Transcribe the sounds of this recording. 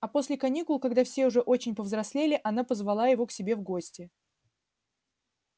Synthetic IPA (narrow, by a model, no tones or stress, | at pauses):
ɐpo̞sʲlʲɪkɐnʲikʊlˠkɐɡd̪afsʲe̞ʊʐɛʔo̞t͡ɕɪnʲpəvzɾɐsʲlʲelʲɪʔɐnapəzvɐlˠajɪvo̞ksʲɪbʲe̞vɡo̞sʲtʲɪ